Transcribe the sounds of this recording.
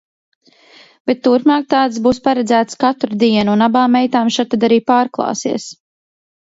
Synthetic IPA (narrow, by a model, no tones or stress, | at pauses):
b̥et̪ːuɾpmaːk̚t̪aːt̪sbuːspaɾɛd̪zæːt̪skat̪ɾud̪iɛnuunabaːmːɛjt̪aːmʃat̪ad̪aɾiːpaːɾklˠɑ̰ːsḭɛs